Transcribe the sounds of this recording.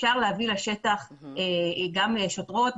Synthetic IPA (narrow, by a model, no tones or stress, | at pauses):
ʃaʁlehavilaʃe̞t̪aχeɡamʃot̪ʁo̞t̪̚